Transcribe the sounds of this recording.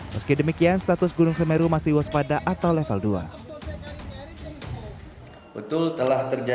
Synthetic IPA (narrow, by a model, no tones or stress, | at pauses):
məskɪdəmikianst̪at̪ʊsɡunʊŋsəmeɾumasɪhwɔspadaʔat̪awlefəldua̰ | bət̪ʊlt̪əlaht̪ərd͡ʒ